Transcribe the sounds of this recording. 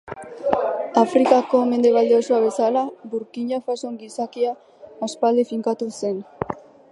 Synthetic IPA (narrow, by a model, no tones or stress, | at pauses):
afɾikako̞me̞nd̪e̞βald̪eosuaβe̞salaβuɾkiɲafasoŋɡisakia | ospald̪efiŋkat̪use̞n